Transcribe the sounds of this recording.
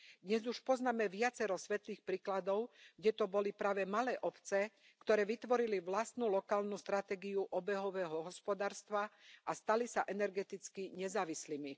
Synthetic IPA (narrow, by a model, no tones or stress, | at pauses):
d̪ɲɛzuʃpɔznaːmɛʋɪat͡sɛɾɔsʋɛt̪liːxpɾiːklad̪ɔʊɡɟɛt̪ɔbɔlipɾaːʋɛmalɛːʔɔpt͡sɛ | kt̪ɔɾɛːʋit̪ʋɔɾiliʋlast̪nulɔkaːlnust̪ɾat̪ɛːɡiuʔɔbɛɦɔʋɛːɦɔɦɔspɔd̪aːɾst̪ʋaʔast̪alisaʔɛnɛɾɡɛt̪it͡skiɲɛzaːʋisliːmi